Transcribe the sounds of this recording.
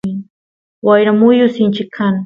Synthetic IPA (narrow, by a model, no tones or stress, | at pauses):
ɪ | wajɾamʊjʊsɪnt͡ʃɪkʰːaŋ